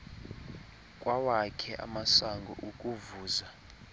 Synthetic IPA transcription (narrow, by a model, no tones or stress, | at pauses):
kʼwawakʰɛʔa̰masaŋɡʱɔ̰ʔukʼuvuːza